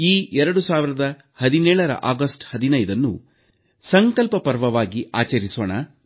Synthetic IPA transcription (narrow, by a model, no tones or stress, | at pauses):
iːɛɾɐɽusaːʋiɾɐd̪ɐ | hɐd̪inɛːɭɐɾɐ̰ʔaːɡɐsʈhɐd̪inɐjd̪ɐnːṵ | sɐŋkɐlpɐpɐɾʋɐʋaːɡiʔaːt͡ʃɐɾisoːɳa